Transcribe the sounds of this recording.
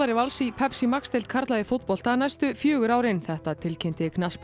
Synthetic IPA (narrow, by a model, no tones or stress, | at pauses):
aɾɪvalsipʰɛpsimakst̪elt̪̚kʰaɾt̪laðɪfot̪̚pɔl̥t̪θaðɾnajst̪ʏfjœːɣʏɾaːwɾɪnθɛht̪at̪ʰɪlcʰent̪ɪknasp